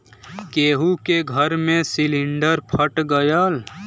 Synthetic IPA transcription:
keːɦukeɡʱəɾmẽsiliɳɖəɾpʰəʈɡəjəl

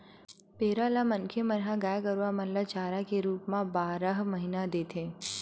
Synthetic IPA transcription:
peːɾalamɐnkʰemɐɾɦãɡaːjkəɾuamɐllat͡ʃaːɾakeɾuːpmãbaːɾəɦmɐɦinad̪eːt̪ʰeː

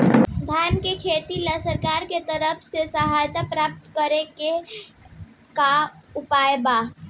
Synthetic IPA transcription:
d̪ʱaːnkekʰeːt̪iləsəɾkaːɾket̪əɾəpʰsesəɦaːjt̪apɾaːp̚t̪kəɾeke | kaʊpaːjba

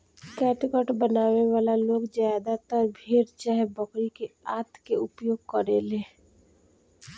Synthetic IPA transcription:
kɛːʈɪkəʈbənaːweʋaːlaloːɡzjaːd̪at̪əɾbʱeɾt͡ʃaːɦebɔkɾikeaːt̪keʊpjoːɡ̚kəɾeleː

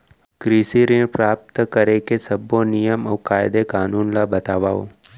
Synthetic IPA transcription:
kɾiːsiɾinpɾaːp̚t̪kəɾekesɐbonɪjəmɔʋkaːɪd̪ekaːnuːnlabɐt̪aːʋaːo̰

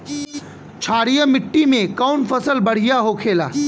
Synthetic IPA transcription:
t͡ʃʰaːɽijəmɪʈːimẽkaʊnpʰəsəlbɐɽ̤ijaɦokʰeːla̰ː

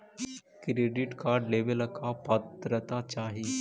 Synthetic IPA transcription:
kɾeːɖɪʈkaːɖleːʋəlkapət̪ɾət̪at͡ʃaːɦi

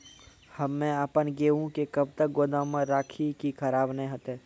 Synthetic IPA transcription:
hɐmːɛ̃aːpənɡeːɦũkekəbt̪ək̚ɡoːd̪ãməɾaːkʰikikʰəɾaːbnẽɦət̪eː

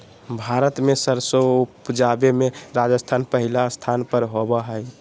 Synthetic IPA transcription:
bʱaɾət̪mesəɾsoupd͡ʒabemeɾad͡ʒəst̪ʰanpəɦilast̪ʰanpəɾɦobəɦəj

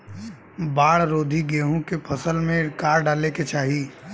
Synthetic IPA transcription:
baːɽɾoːd̪ʱiɡeːɦõkepʰəsəlmẽkaːɾɖaːleket͡ʃaːɦi

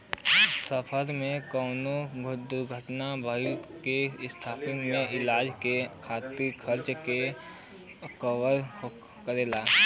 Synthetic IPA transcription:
səpʰəɾmẽkɔʊnoɡʱd̪ʊɾɡʱəʈnabʱəɪlkest̪ʰaːpɪŋmẽʔɪlaːd͡ʒkekʰaːt̪ikʰəɾt͡ʃke | kɔwəɾ | kəɾeːlaː

